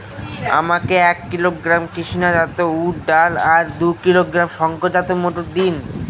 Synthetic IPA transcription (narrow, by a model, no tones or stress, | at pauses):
a̰makeɛkːiloɡɾamkiʃinad͡ʑat̪ouʈɖalaɾd̪ukiloɡɾamʃɔŋkod͡ʑat̪omoʈoɾd̪in